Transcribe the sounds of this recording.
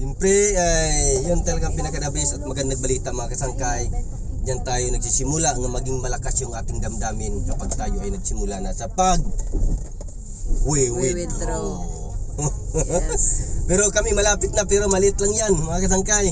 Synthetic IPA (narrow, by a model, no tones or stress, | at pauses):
sɛmpɾɛajjont̪ɐlaɡapɪnɐkɐd̪abɪsat̪̚mɐɡand̪aɡ̚bɐliːt̪amɐŋakɐsaŋkaj | d͡ʒant̪aːjonɐɡ̚sisɪmulaŋamɐɡiŋmɐlɐkasjʊŋʔaːt̪ɪŋd̪ɐmd̪aːmɪnkɐpaɡ̚t̪aːjoajnɐɡsɪmulanasɐpaɡ̚ | wiwi | o | pɛɾokɐmimɐlaːpɪt̪̚napɛɾomɐlɪt̪laŋjanmɐŋakɐs̬aŋkaj